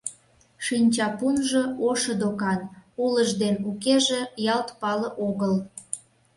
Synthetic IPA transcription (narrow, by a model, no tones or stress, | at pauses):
ʃinʲt͡ɕɑpunʒɤ̆oʃəd̪okɑnuləʒd̪enukeʒĕjɑlt̪pɑləʔoɣəl